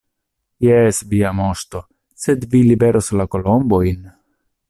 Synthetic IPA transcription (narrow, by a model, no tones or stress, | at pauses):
jesviamoʃto̞ | se̞d̪vilibe̞ɾoslako̞lombo̞jn